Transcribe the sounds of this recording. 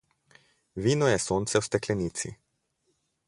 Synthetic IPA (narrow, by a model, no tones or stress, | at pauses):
viːnɔjɛsont̪sɛwst̪ɛklɛniːt̪sḭ